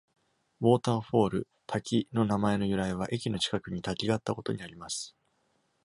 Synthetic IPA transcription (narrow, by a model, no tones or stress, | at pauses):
βo̞ːt̪ãɰ̃ɸo̞ːɾɯ̟ | t̪ʰakʲino̞namae̞no̞jɯ̟ɾaeβ̞aʔe̞k̬ʲino̞t͡ɕi̥kakɯ̟ɲ̟it̪akʲiɡat̪ːako̞t̪o̞̰ɲ̟iaɾʲimasɨ̥